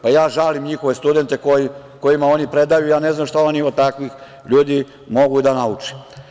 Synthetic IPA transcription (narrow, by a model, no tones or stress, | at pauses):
pajaːʒalimɲixo̞ʋe̞st̪ud̪e̞nt̪e̞koji | ko̞jimao̞nipɾe̞d̪ajujaːne̞znamʃt̪aoniot̪akʋix | ʎuːd̪i | mo̞ɡud̪anaut͡ʃi̥